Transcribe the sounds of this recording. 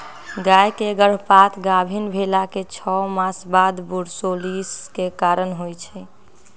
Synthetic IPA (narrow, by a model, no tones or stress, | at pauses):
ɡajkeɡəɽ̤pat̪ʰɡabʱinbʱelaket͡ʃʰɔmasbad̪buɽsoliskekaɾənɦojt͡ʃʰɛ